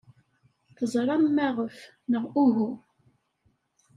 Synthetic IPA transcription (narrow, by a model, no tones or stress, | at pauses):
θəzˤɾˤɑmːæʁəf | nəʁuɦu